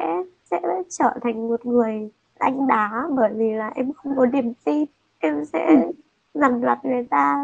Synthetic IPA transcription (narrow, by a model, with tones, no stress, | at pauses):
sɛ̰˧˥sɛ̰˧˥t͡ɕəː˧˩t̪ʰa˨˩jŋ̟mo˨˩t̚ŋɨ˨˩əj | ʔa˧jŋ̟ɗaː˨˦ɓəː˧˩jvi˨˩laː˨˩ʔɛ˧mxə˧wŋ͡mkɔ˨˦ɗi˨˩əmt̪i˧ | ʔɛ˧msɛ̰˧˥ | za˨˩mla˨˩t̚va˨˩t̪aː˧